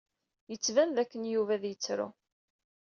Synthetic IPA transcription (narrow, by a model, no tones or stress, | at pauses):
jət͡sːvænðækːənjuvæðjət͡sːɾʊ̰